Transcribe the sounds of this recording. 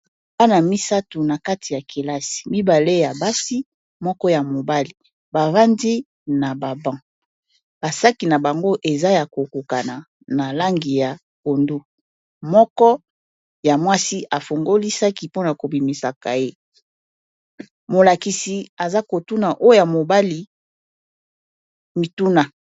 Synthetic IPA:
ba˦na˨mi˦sa˦tu˨na˨ka˦ti˨ja˨ke˨la˦si̥˨mi˦ba˨le˦ja˨ba˦si˦ | mɔ˦kɔ˦ja˨mo˨ba˦li˨ | ba˨va˦ndi˦ | na˨ba˨bã˦ | b̥a˨sa˦ki˨na˨ba˨ŋɡo˦ʔe˨za˦ja˨ko˨ko˨ka˨na˨ | na˨la˦ŋɡi˨ja˨ | ko˨ndu˦ | mɔ˦kɔ˦ | ja˨mwa˦si˦a˨fo˨ŋɡo˦li˦sa˦ki˨˦po˦na˨ko˨bi˨mi˨sa˨ka˨je˦ | mo˨la˨ki˨si˨a˨za˦ko˨tu˦na˨ʔo˦ja˨mo˨ba˦li˨ | mi˨tu˦na˨

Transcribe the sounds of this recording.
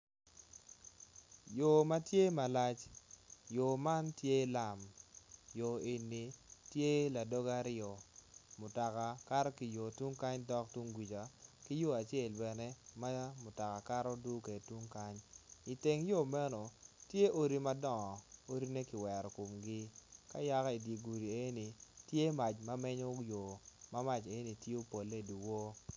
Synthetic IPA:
jo˨ma˦tje˦ma˨la˦t͡ʃjo˨ma˦ntje˦la˨mjo˨e˨nːi˨tje˦la˨do˦ɡa˦ɾɪɔ˨mʊ˨ta˨ka˨ka˦ɾɔ˦ki˨jo˨tu˦ŋka˦ɲdɔ˦k̚tu˦ŋɡwi˨t͡ʃa˨ki˦jo˦a˨t͡ʃe˦˨lbɛ˨ne˦ma˦mʊ˨ta˨ka˨ka˦ɾɔ˦du˦ke˨tu˦ŋka˦ɲi˨te˨ŋjo˦˨mɛ˦no˨tje˦ʔo˦ɾi˦ma˦dɔ˦˨ŋɔ˨o˦ɾi˦ne˦kɪ˨wɛ˨ɾɔ˨ko˨mɡɪ˦ka˦ja˦ka˦i˨di˨ɡu˨ɾi˨e˦ni˨tje˦ma˨t͡ʃma˦mɛ˦ɲo˦jo˨ma˦ma˦t͡ʃe˨˦ni˨tje˦o˦po˨lːe˦˨du˨wo˦

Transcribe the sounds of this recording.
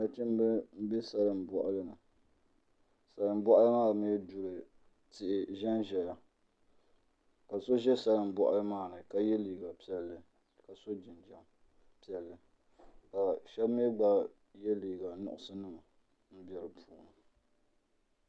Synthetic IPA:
na˨t͡ʃɪ˦m˦bɨ˦m̩˦bɛ˦sa˨lɨ˨m˨bɔ˨ʔa˨lɨ˦nɨ˨ | sa˨lɨ˨m˦bɔ˦ʔa˦lɨ˦maː˦˨m˦ɛ˦dʊ˨ɾɨ˨ | tɪ˨ʔɪ˨ʒɛ˦nʒɛ˨ja˨ | ka˨so˦ʒɛ˦sa˦lɨ˨m˦bɔ˦ʔa̰˦lɨ˦maː˦˨nɨ˨ka˦jɛ˦liː˨ɡa˨pi˦ɛ˨lːɨ˨ | ka˨so˦d͡ʒɪ˨nd͡ʒa˦m | pi˦ɛ˨lːɨ˦ | ka˨ʃɛ˦bm˦ɛ˦ɡ͡ba˦ | jɛ˦liː˨ɡa˨nʊ̰˨ʔʊ˨sɨ˦nɨ˦ma˨ | m̩˦bɛ˨ɾɨ˨pʰuː˨nɨ˨

